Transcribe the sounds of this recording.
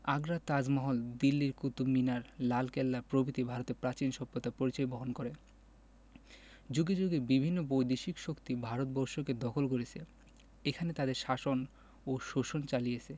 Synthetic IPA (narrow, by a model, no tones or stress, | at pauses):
aɡɾat̪ad͡ʑmɔɦold̪ilːiɾkut̪uminaɾlalkelːapɾobʱit̪ibʱaɾot̪eɾpɾat͡ɕinʃɔbːot̪ːapoɾit͡ɕɔjboɦonkoɾe | d͡ʑuɡed͡ʑuɡebibʱinːobojd̪iʃikʃokt̪ibʱaɾot̪̚bɔɾʃoked̪ɔkʰolkoɾet͡ɕʰe | ekʰanet̪ad̪eɾʃaʃon | oʃoʃont͡ɕalijet͡ɕʰe